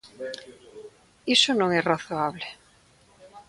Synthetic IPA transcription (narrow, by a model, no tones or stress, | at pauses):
isonõŋɛraθoaβle